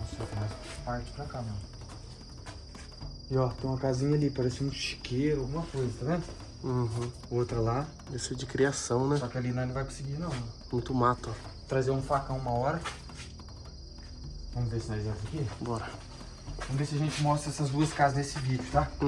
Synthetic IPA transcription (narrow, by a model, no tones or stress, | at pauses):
ɔ̃set̪maspaɾt͡ʃɪ̥pɾakanɐ̃ | ɪɔt̪ẽj̃ũmɐkazĩɲɐalipaɾɛsɪmũd͡ʒʃi̥keɾʊawɡũmɐkojzɐt̪avẽ | ɦũ | ot̪ɾɐla | d̪esed͡ʒɪkɾiasɐ̃w̃nɛ̃sɔkɪalinãñvajkõsɪɡinɐ̃w̃ñmũj̃t̪ʊmat̪ɐt̪ɾazeɾũfakɐ̃w̃ũmɐɔɾɐ | vɐ̃mʊvesɪaʒɛzɐkibɔɾɐ | vɐ̃mʊvesɪɐʒẽnt͡ʃɪmɔst̪ɾɐɛsɐzd̪uɐskazɐznesɪvid͡ʒʊt̪a